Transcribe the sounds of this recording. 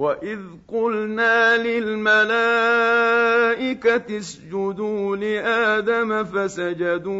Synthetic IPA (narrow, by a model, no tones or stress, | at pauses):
waʔɪð | qʊlnaːlɪlmalaː | ʔɪkat̪asd͡ʒʊd̪uːlɪʔaːd̪amafasad͡ʒad̪uː